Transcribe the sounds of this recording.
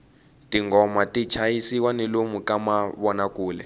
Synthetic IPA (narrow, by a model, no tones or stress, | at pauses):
tiŋɡɔmatit͡ʃʰajisiwanilomukamaβɔnakuːlɛ̰